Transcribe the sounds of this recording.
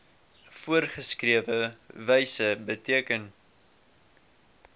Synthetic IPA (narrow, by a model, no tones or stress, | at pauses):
fuərχəskriəvəvɛjsəbətiəkən